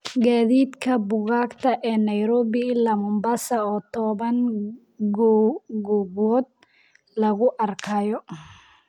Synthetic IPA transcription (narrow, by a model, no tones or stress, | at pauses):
ɡaːðiːd̪kʰɐbʊɣaːkt̪ʰɐʔɛːnɐjɾɔːβɪlɐmʊmbasɐɔːt̪ʰɔːβɐŋ | ɡɡɔɡɔːd̪̚ | lɐɣʊʔɐrkʰɐjɔ